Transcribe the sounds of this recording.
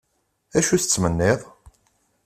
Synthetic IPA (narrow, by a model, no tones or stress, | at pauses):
æʃuθət͡sːmənːɪðˤ